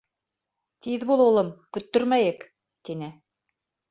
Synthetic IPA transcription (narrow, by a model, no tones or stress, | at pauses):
t̪iðbulˠulˠɤmkɵ̆t̪ːɵɾmæjɘk | t̪inɘ